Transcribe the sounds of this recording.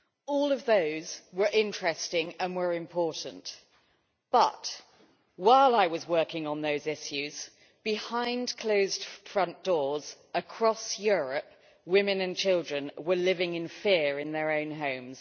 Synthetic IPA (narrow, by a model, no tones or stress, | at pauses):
ɔlˠʌvðəʊzwə˞ʔɪ̃nt͡ʃɹ̥ɛstɪ̃ŋə̃nwə˞ɪ̃mpʰɔɹʔn̩t | b̥ʌtʔ | waɪlˠaɪwɒzwɜˑ˞kɪ̃ŋə̃nðəʊzɪʃjʉz̥ | b̥ɪhãɪ̃ndkʰl̥oʊzd̥fɹʌ̃nd̥ɔːz | əkʰɹ̥ɒsjɔɹəp̚ | wɪ̃mɨ̃nɨ̃nt͡ʃʰɪlˠdɹə̃nwə˞lɪvɪ̃ŋɪ̃nfɪəɹɪ̃nðə˞ə̃ʊ̃nɦõʊ̃mz̥